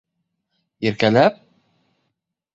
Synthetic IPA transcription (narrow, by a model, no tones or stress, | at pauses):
jɘ̆ɾkælæp̚